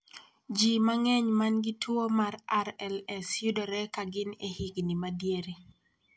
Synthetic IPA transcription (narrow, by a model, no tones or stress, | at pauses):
d͡ʒimaŋɛɲmanɡɪtwomaraɾɛlɛsjʊdɔɾɛkaɡɪnehiɡnɪmadjeɾi